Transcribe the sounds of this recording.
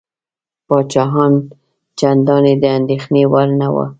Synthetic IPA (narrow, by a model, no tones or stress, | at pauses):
pɑt͡ʃɑɦɑn | t͡ʃand̪ɑned̪əand̪exnewaɾnawə̰